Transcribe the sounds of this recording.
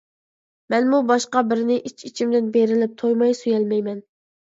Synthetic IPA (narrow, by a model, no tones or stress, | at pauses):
mɛnmubɑʃqɑbɪɾɪnɪʔit͡ʃʰit͡ʃʰimd̪ɪnbeɾɪlɪp̚t̪ʰojmɑjsujɛlmɛjmɛn